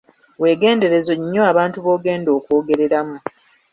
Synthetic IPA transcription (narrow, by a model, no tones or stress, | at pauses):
we̞ːɡe̞ːnde̞ɾe̞zo̞ɲːo̞aβaːntuβo̞ːɡe̞ːndo̞ːkoːɡe̞ɾe̞ɾamu